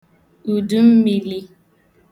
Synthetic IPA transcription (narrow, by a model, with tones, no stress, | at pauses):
u˨du˦m̩˦mi˨li˦